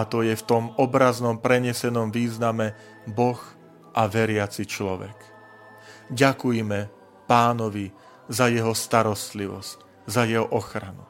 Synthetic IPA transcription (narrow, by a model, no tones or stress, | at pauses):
at̪ɔjɛft̪ɔmɔbɾaznɔmpɾɛɲɛsɛnɔmʋiːznamɛ | bɔx | ʔaʋɛɾɪat͡sit͡ʃlɔʋɛ̰k | ɟakujɛmɛ | paːnɔʋi | zajɛɦɔst̪aɾɔst̪liʋɔ̰sc | zajɛɦɔʔɔxɾanu